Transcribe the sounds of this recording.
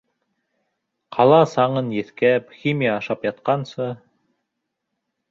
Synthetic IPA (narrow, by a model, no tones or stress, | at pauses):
qʰɑlˠɑsɑɴɤnjɘ̆θkæpxʲimʲijaːʃɑpjɑt̪̚qɑnsɤ